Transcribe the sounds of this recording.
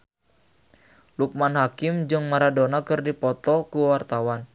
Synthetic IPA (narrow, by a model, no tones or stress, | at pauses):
luk̚manɦakɪmd͡ʒɨŋmaɾadonakɨrdipɔt̪ɔkuwart̪awan